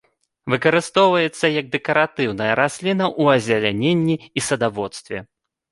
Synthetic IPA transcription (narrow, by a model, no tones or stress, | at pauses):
vɨkɐɾɨst̪ɔwvɐjɛt̪sːɐjɐɡ̚d̪ɛkɐɾat̪ɨwnɐjɐɾasʲlʲinɐʔuɐzʲalʲanʲenʲːiisɐd̪avɔt̪st̪vʲɛ̰